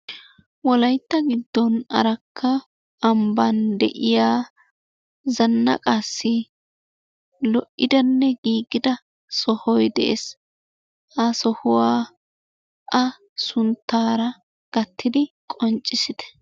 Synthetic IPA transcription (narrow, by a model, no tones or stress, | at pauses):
wɔlɐjt̪ːɐɡɪd̪ːɔnɐ̰ɾɐkʰːɐ | ʔːmbɐnd̪ɛ̰ʔɪjaː | zɐnːɐ̰kʼasːɪ | lɔʔːɪd̪ɐnːɛɡiːɡɪd̪ɐ | sɔhɔjd̪ɛʔḛs | ʔɐsɔhʊwaː | ʔɐ | sʊnt̪ːaːɾɐ | ɡ̥ɐt̪ʰːɪd̪ɪ | kʼɔnt͡ʃʼːɪsɪd̪̥ɛ̥